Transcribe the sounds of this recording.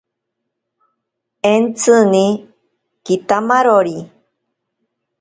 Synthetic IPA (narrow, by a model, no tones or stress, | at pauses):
ent͡sɨni | kit̪amaɾoɾi